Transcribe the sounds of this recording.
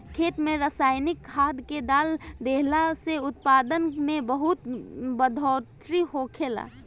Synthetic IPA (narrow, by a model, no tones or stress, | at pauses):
kʰeːt̪mẽɾəsaːɪnɪkʰːaːd̪ked̪aːld̪eɦlaseʊt̪̚paːd̪ənmẽbəɦut̪bəd̪ʱɔɾt̪ʰɾihokʰeːla̰ː